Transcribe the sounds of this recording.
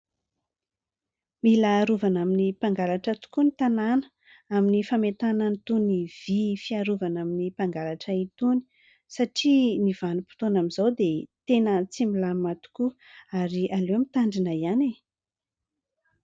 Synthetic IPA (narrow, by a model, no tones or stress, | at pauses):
milaɾuvanaminipaŋɡalaʈ͡ʂət̪u̥kunit̪ananə̥ | aminifamet̪anənit̪univ̥ifiaɾuvanaminipaŋɡalaʈ͡ʂəit̪uni̥ | saʈ͡ʂiniv̥anupi̥t̪onamizawd̪et̪enət͡similamat̪u̥kuaɾiʔaleamit̪aɳɖ͡ʐinaiane